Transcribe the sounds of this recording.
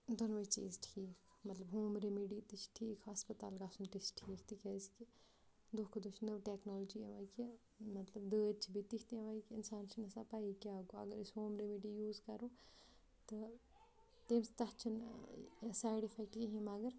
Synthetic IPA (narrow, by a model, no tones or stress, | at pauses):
d̪onʋɐt͡ʃḭːzʈʰiːk | mɐt̪lɐbɦoːmɾemiɖiːt̪it͡ʃʰʈʰiːkɦaspɐt̪a̰ːlɡaːsunt̪isʈʰiːk̚t̪ikɛːski | d̪oːkʰɐd̪ot͡ʃʰnəʋʈeːknoːld͡ʒiʋaːki | mɐt̪lɐbd̪əːd̪t͡ʃʰibʱit̪ikʰt̪iʋaːikiɪnsaːnt͡ʃʰinɐsɐpaːikʲaːɡoɐ̰ɡəɾisɦoːmɾemiɖijuːzkɐɾoː | t̪ɨ | t̪eːmst̪ɐɦt͡ʃʰin | saːɽifʰakiɦimɐɡɐɾ